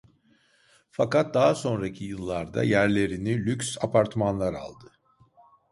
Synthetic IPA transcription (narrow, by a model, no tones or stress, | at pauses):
fakat̪̚d̪aɦaso̞nɾacʰijɯlˠːaɾd̪a̰jæɾlʲe̞ɾinilʲykʲsapʰaɾt̪ʰmanlˠaɾa̰lˠd̪ɯ